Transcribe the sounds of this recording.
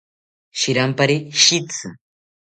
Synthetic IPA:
ʃiɾampaɾiʃit͡sɨ̰

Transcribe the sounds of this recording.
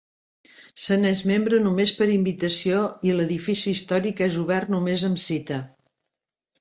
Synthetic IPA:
sənezmembɾənumespəɾimbit̪əsioiləðifisiːst̪ɔɾikɛzuβ̞ɛrt̪numezəmsit̪ə

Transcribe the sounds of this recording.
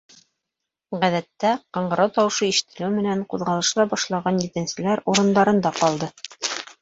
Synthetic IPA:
ʁæðæt̪ːæqɑɴɢɤ̆ɾɑwt̪ɑwɤʃɤiʃɘ̥̆t̪ːɘ̆lɘwmɘ̆næɴquðʁɑlˠɤ̆ʃlˠɑbɑʃlˠɑʁɑnjɘ̆t̪ɘ̆nsɘ̆læɾuɾɤ̆nd̪ɑɾɤ̆nd̪ɑqɒlˠd̪ɤ

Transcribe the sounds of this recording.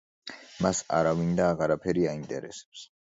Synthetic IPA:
masa̰ɾavind̪aːʁaɾapʰɛɾiaint̪ʼɛɾɛ̰sɛ̥ps

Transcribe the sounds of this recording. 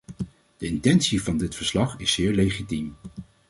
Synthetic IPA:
d̥əɪntɛnsivɑndɪtfəɹslɑχɪsːɪːɹlejχitim

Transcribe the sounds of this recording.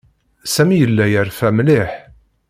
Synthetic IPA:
sæmijəlːæjəɾfæmlɪħ

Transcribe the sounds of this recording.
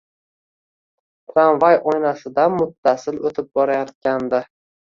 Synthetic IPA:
t̪ʰɾanvajojnasɪd̪amʊt̪ʰːasɪlot̪ʰɪp̚bɒɾajɒt̪̚kʲand̪ɪ

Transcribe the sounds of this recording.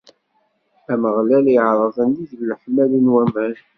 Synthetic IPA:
æməʁlæliʕɾˤɑðˤənd̪iðllħmælənwæmən

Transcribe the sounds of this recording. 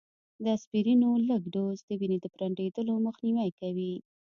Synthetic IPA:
d̪əaspiɾinoləɡɖozd̪əbined̪əpɾaɳɖed̪əloməxniwajkawi

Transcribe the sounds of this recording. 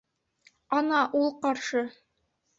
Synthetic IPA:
ɑnɑʔulˠqɑɾʃɤ

